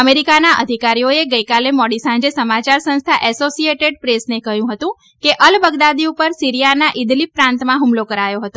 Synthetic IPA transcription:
əmeɾikanaʔə̰d̪ʱikaɾijoeɡəjkalemɔɽisãɲd͡ʒesəmat͡ʃaɾsə̃nst̪ʰaʔɛsosieʈeɖpɾesnekəɦjũɦət̪ũ | keʔəlbəɡd̪ad̪iupəɾsiɾijanaʔid̪lipːɾãnt̪mãɦumlokəɾajoɦət̪o

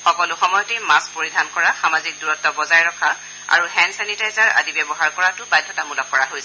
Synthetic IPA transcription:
xɔkɔlʊxɔmɔjɔtɛmaspoɹidʱankɔɹaxamazik̚duɹɔtːɔbɔzajɹɔkʰa | a̰ɹuhɛnsɛnitajzaɹa̰dibɛbɔɦaɹkɔɹatʊbajdʱːɔtamulɔk̚kɔɹaɦojsɛ

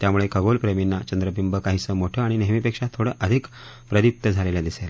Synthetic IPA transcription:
t̪jamuɭekəɡolpɾeminːat͡ɕənd̪ɾəbʱimbəkaɦiːsəmoʈʰəːaɽ̃ineɦmipekʂat̪ʰːoɽəʔəd̪ʱik | pɾəd̪up̚t̪əd͡zʱaleljad̪isela

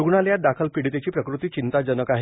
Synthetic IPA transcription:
uɡɳaljad̪akʰəlpiɽit̪et͡ɕiːpɾəkɾut̪iːt͡ɕint̪ad͡zənəkaɦ

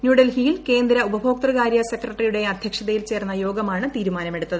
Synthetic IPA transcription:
njuːɖɐlhijilke̞ːnd̪ɾɐubɐbʱo̞ːk̚t̪rɨɣaːɾjɐsekrɐʈːrijuɽe̞ɐd̪ʱjɐkʂɐðɐjilt͡ɕe̞ːrnːɐjo̞ːɡɐmaːɳɨt̪iːɾumaːnɐme̞ɽut̪ːɐðɨ

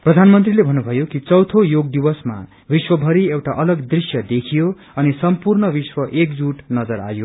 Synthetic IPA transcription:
prʌd̪ʱanmʌnt̪rilebʱʌnːubʱʌjokit͡sʌwt̪ʰojoɡd̪iwʌsma̰ | biswʌbʱʌɾiewʈaʔʌlʌɡd̪risjʌd̪ekʰijo | ʌnisʌmpurnʌbiswʌʔekd͡zuʈnʌd͡zʌɾa̰jo

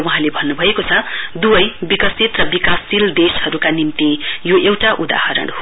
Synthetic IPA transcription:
wʌɦãlebʱʌnːubʱʌekot͡sʰʌd̪ubʌjbikʌsit̪rʌbikasild̪eshʌɾukanimt̪ijoʔewʈaʔud̪a̰hʌɾʌ̰ɽ̃

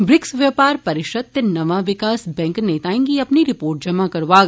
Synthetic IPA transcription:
bɾɪksʋjɐpaːɾpɐɾɪʃət̪ːnɐʋaʋɪkaːsbɛ̃ŋkneːt̪aːẽŋɡiɐpniɾɪpoːɾʈ̚d͡ʒɐmakɐɾʋaːɡ

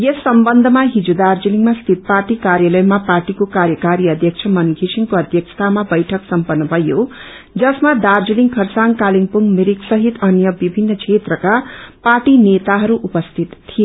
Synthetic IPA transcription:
jʌsːʌmbʌnd̪ʱʌmaɦid͡zod̪ard͡ziliŋmast̪ʰit̪̚parʈikaɾjalʌjmaparʈikokaɾjʌkaɾiʌd̪ʱjʌkt͡sʰʌmʌnɡʱisiŋkoʌd̪ʱjʌksʰt̪ʰamabʌjʈʰʌksʌmpʌrnːʌbʱʌjo | d͡zʌsmad̪ard͡ziliŋkʰʌrsaŋkaliŋpuŋmiɾiksʌɦit̪ʌnjʌbibʱinːʌkt͡sʰet̪rʌkaparʈinet̪aɦʌɾuʔupʌst̪ʰit̪ːʰije

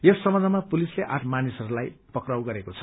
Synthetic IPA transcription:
jesːʌmʌd͡zʱamapulisleʔa̰ʈʰmanisʌɾulajpʌkrawɡʌɾekot͡sʰʌ̥

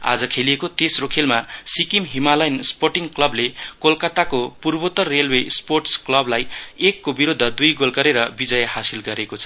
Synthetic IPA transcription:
a̰d͡zʌkʰeliekot̪esrokʰelmasikimɦimalʌjnsporʈiŋklʌblekolkat̪akopurbot̪ʌrːelwesporʈsklʌblajekːobiɾod̪ʱːʌd̪ujɡolkʌɾeɾʌbid͡zʌjhasilɡʌɾekot͡sʰʌ̥

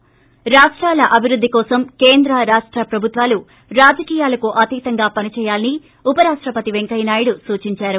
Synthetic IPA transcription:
ɾaːʂʈɾaːlɐʔɐbʱiɾud̪ːikɔːsɐmkeːnd̪ɾɐɾaːʂʈɾɐpɾɐbʱut̪ʋaːlu | ɾaːd͡ʒɐkiːjaːlɐkuʔɐt̪it̪ɐŋɡaːpɐnit͡ʃɛːjaːlini | upɐɾaːʂʈɾɐpɐt̪iʋeŋkɐjnaːjiɽusuːt͡ʃiɲt͡ʃaːɾu

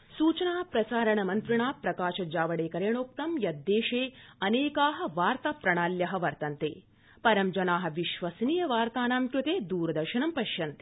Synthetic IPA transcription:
suːt͡ʃɐnaːpɾɐsaːɾɐɳɐmɐnt̪ɾiɳaːpɾɐkaːʃɐd͡ʒaːʋɐɽeːkɐɾeːɳoːk̚t̪ɐmjɐd̪ːeːʃeːɐneːkaːɦɐ̆ʋaːɾt̪apɾɐɳaːljɐɦɐʋɐɾt̪ɐnt̪ḛː | pɐɾɐmd͡ʒɐnaːɦɐ̆ʋiʃʋɐsniːjɐʋaːɾt̪aːnaːmkɾut̪eːd̪uːɾɐd̪ɐɾʃɐɳɐmpɐʃjɐnt̪e̥

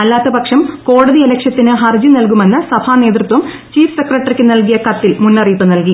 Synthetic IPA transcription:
ɐlːaːt̪ːɐbɐkʂɐmko̞ːɽɐðiɐlɐkʂjɐt̪ːinɨɦɐrd͡ʑinɐlk̬ume̞nːɨsɐbʰʱaːne̞ːt̪rɨt̪wɐm | t͡ɕiːfsekrɐʈːɐrikʲːɨnɐlkijɐkɐt̪ːilmunːɐriːpːɨnɐlki

